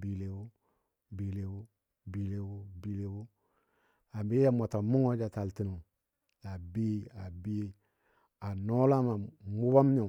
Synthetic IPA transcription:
bi˨le˨wu˦ | bi˨le˨wu˦ | bi˨le˨wu˦bi˨le˨wu˦ | a˨bi˦a˦mo˨ta˨mu˦ŋo˦d͡ʒa˨ta˨lti˨nu˨ | ja˨bi˦a˨bi˦ | a˨no˦la˦ma˨mu˦ba˦m˦ɲo˨

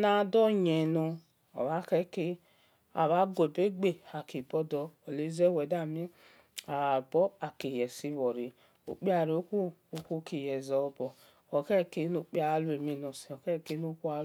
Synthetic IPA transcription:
na˦˨dɔ˦ɲe˨no˨ | ɔ̰˨βa˦ke˦ke˦ | a̰˨βa˦ɡʷo˨be˦ɡ͡be˦a˨ki˨bɔ˦dɔ˦o˨le˦ze˦we˨da˦˨mi˦ | a˨bɔ˦a˨ki˨jɛ˨si˦vɔ˨ɾi˨ | o̰˨k͡pi˦a˨ɾi˨o˦ku˦u˦ku˦ki˨jɛ˨zɔ˦bɔ˨ | o˨kɛ˦˨ke˦no˨k͡pi˦a˦lu˦e˨mi˦no˨si˨ɔ˨kɛ˦˨ke˦no˦ku˦a˦

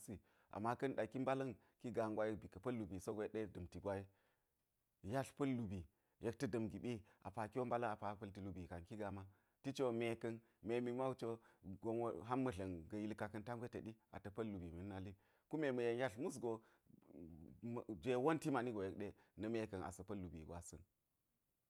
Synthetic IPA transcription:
si˨ | ʔa̰˨mːa˦kɐ˦nɗa˨ki˦mba˦lɐ˦n | ki˦ɡa˨ŋɡʷa˦ji˦bi˨kɐ˨pɐ˦lːu˨bi˨so˦ɡo˨˦ɗe˦dɐ˨mti˨ɡʷa˦ji˦ | ja˦ɬpɐ˦lːu˨bi˨ | je˦k̚ti˦dɐ˨mɡi˨ɓi˦ | ʔa̰˨pa˨ki˦wo˦mba˦lɐ˦a˨pa˨pɐ˦lti˨lu˨bi˨ka˨nki˦ɡa˨ma˦ | ti˦t͡ʃo˦me˨kɐ˦n | me˨mi˨ma˦u˦t͡ʃo˦ɡo˦nwɦa˦mːɐ˨ɮɐ˨nɡɐ˨ji˦lka˨kɐ˦nta˦ŋɡʷe˦tɐ˨ɗi˦a̰˨tɐ˨pɐ˦lːu˨bi˨mi˨n˦na˦li˦ | ku˦me˨mɐ˨je˨nja˦ɬmu˦s̬ɡo˨ | d͡ʒʷe˦wo˦nti˦ma˨ni˦ɡo˨je˦k̚ɗe˦ | nɐ˨me˦kɐ˨na̰˨sɐ˨pɐ˦lːu˨bḭ˨ɡʷa̰˨sɐ̰˦n

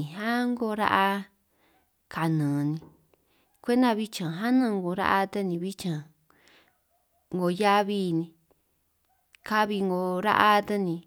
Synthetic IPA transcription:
ĩ˨ɦã˦ŋɡo˧ɾa̰˦ʔa˧ | kʰa˨nɨ̃ː˨nĩ˧ | kʷe˦nã˦˧βi˦t͡ʃã˨ɦa˦nũː˦˧ŋɡo˧ɾa̰˦ʔa˧t̪e˦nĩ˧βi˦t͡ʃã˨ | ŋɡo˧ja˦βiː˦nĩ˧ | ka˦βi˧ŋɡo˧ɾa̰˦ʔa˦t̪e˧nĩ˧

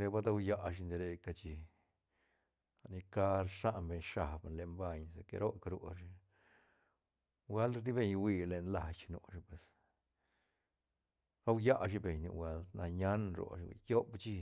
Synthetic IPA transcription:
ɾe˧ba˦d̪a˧wja˧ʔʃ̬i˧nd̪e˧ɾe˧ka˧t͡ʃi˧ | a˨˧ni˧ka˦ɾʂa˦ʔnbe˧ɲʂa˨bnle˧˨mba˧ɲse˧kḛ˧ɾo˦kɾo˧ʃi˧ | we˦ld̪i˦be˧ɲwi˧le˧˨nla˧t͡ʃnṵ˧ʃi˧pwe˨s | ɾa˦wja˦ʃ̬i˧be˨ɲnṵ˧wʷe˧˦lna˧ɲa˦nɾo̰˨˧ʃḭ˧˨jo˦bt͡ʃi˧

